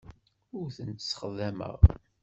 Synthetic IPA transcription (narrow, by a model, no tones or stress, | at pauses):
ʊɾθənt̪sə̥χðæmə̰ʁ